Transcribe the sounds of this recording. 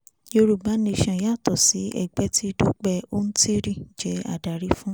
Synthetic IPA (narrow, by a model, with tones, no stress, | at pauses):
jo˧ɾu˨ba˨˦nẽ˧ʃã˧˨ja˦˨tɔ˨si˨˦ɛ̰˦˨ɡ͡bɛ˨˦ti˦˧do˦k͡pɛ˧o˦n̩˦ti˦ɾĩ˦˨d͡ʒɛ˨˦a̰˨da˨ɾi˨˦fũ˦